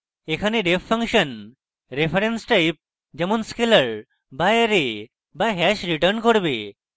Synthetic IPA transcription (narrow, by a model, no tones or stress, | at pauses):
ekʰaneɖepʰːəŋkʃən | ɾepʰɐɾensʈajp̚ | d͡ʑɐmunskeləɾ | bajɾe | baɦɛʃɾiʈəɾnkoɽbe